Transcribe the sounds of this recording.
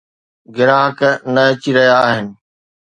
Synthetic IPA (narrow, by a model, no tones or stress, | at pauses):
ɡɪɾaːɦəknɐɐt͡ɕiɾɐɦijaːɦɪnɪ̆